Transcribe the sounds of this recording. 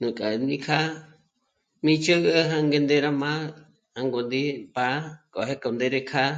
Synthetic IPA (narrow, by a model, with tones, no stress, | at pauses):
nũ˨kʼa˨˧ni˦kʰa˦ | mĩ˦t͡ʃə˦ɣə˦ɦa˦ŋɡe˧nd̪e˦ɾa˦mã˦ | ha˧ŋɡo˧nd̪i˦pa˦kʼo˨ɦe˦ko˧˨nd̪e˦ɾe˧kʰa˦